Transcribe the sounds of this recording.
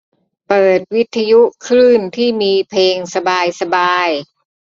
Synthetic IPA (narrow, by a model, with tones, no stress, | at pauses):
pɤː˨˩t̪̚wi˦˥t̪ʰːa˧ju˦˥kʰɾɯː˥˩nt̪ʰiː˥˩miː˧pʰeː˧ŋsa˧baː˧jsa˧baː˧j